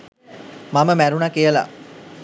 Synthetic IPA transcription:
maməmæɾunakijəla̰

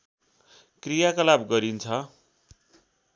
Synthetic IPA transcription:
krijakʌlabɡʌɾint͡sʰʌ

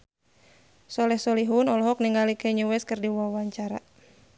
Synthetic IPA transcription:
sɔlɛhsɔliɦunɔlɔɦɔk̚niŋɡalikɛɲuwɛskɨrdiwawaɲt͡ʃaɾa̰

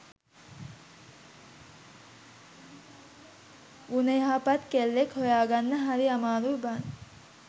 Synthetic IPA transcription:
uneɦaːpɐt̪kelːekhojaːɡanːəɦaɾiamaːɾuban

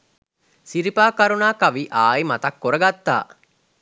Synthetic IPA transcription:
siɾipaːkaɾunaːkaʋiʔaːima̰t̪ɐkːoɾɐɡat̪ːa̰ː

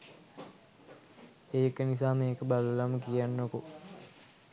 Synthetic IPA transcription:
eːkənisaːmeːkəbaləlaməkijanːoko

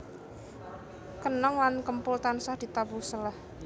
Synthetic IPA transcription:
kənɔŋlankəmpʊlt̪ansahd̪̥i̤t̪abusəlah

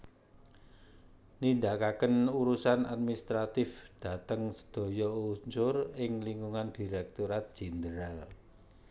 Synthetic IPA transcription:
nind̪akakənuɾusana̰d̪̚minist̪ɾat̪ɪfd̪̥ä̤t̪əŋsə̥d̪̥o̤jɔuɲt͡ʃʊrɪŋliŋɡuŋand̪̥i̤ɾɛk̚t̪uɾat̪̚d̥ʒ̥ɛ̤nd̪əɾal

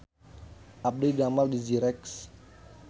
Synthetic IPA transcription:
ʔap̚dejdamaldiziɾɛks

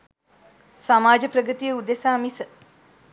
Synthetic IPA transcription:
samaːd͡ʒəpɾəɡət̪ijəud̪esaːmisə

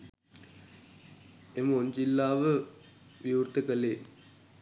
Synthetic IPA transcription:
eməoɲd͡ʑilːaːʋə | ʋjuːrt̪əkəleː

